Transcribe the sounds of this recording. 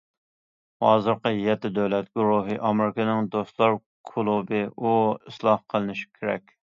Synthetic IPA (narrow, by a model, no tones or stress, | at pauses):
hɑːzɨɾqəjɛt̪ːɪd̪øwlɛt̪̚ɡuɾuɦɨʔɑmɪɾɪkʰɨnɪŋd̪ost̪lˠɑɾ | kʰulˠubɨuislˠɑhqʰəlˠɨnɪʃi̥kʲʰeɾɛ̰kʲ